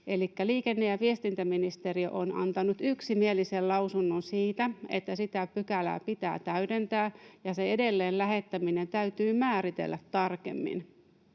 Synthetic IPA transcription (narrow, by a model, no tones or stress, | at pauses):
e̞likːæliːkenːejɑʋie̞st̪int̪æminist̪e̞rio̰ʔonɑ̰nt̪ɑnut̪yksimie̞lisellɑusunːonsiːt̪æḛt̪ːæsit̪æpykælæ̰ːpit̪æ̰ːt̪æyde̞nt̪æːjɑse̞edelːeːllæɦe̞t̪ːæmine̞nt̪æyt̪yːmæːɾit̪e̞̰lːæt̪ːɑrkḛmːḭn